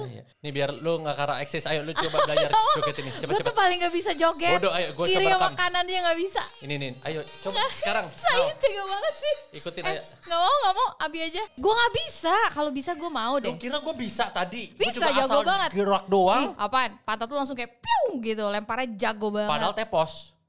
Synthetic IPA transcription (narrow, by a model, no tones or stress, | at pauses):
j̰ | nibiarluŋakaɾa̰ʔɛksɛsajolut͡ʃobaɡajard͡ʒoɡɛt̪inɪɡamauat͡ʃat̪upalɪŋɡabisad͡ʒoɡɛtdoajaɡuaiɾjamakananɲaŋɡaʔbisa̰ininiajoobasəkaɾaŋsait̪iŋɡabaŋət̪̚sɪhikut̪ɪnj | ŋɡamauŋɡaʔmauabiad͡ʒaɡuaŋaʔbisakalobisaɡuamaudɛkiɾaɡuabisat̪adibit͡ʃsad͡ʒaɡobaŋət̪ɾoak̚doaʔapanpant̪at̪ulaŋs̬ʊŋkajapuŋɡit̪ulɛmpaɾad͡ʒaɡobaŋadaɦalt̪epɔs